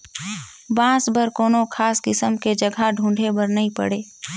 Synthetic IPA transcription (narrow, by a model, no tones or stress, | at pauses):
bãːsbəɾkoːnokʰaːskɪsəmked͡ʒɐɡʱaɖʱũːɳɖʱebəɾnɐɦĩpɐ̰ɽeː